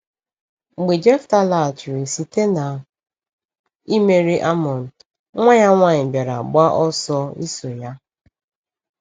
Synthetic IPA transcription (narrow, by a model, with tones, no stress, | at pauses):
ŋ͡m̩˨ɡ͡be˨d͡ʒe˦fta˦la˨t͡ʃu˨ɾi˨si˨te˦na˨ | i˦me˦ɾi˦ʔa˦mɔ˨n̩˨ | ŋʷa˦ɲa˦ŋʷa˦˨ɲɪ˨bja˨ɾa̰˨ɡ͡ba˦ʔɔ˦sɔ˦ḭ˦so˨ja˦